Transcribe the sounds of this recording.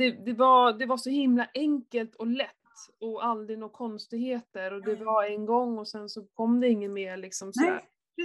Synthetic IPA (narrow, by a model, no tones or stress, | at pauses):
d̪̥ɛd̪ɛvad̪ɛvaʂɔhɪmlaʔɛŋkəlt̪ʰɔlɛt̪ːɔald̪ɾɪnɔkʰɔnst̪ɪɡheːt̪əɾɔd̪ɛvaɾɛŋɡɔŋːɔsɛnsɔkʰɔmːd̪ɛɪŋːənmeːɾɭɪksɔmsɔd̪æ̰ːɾ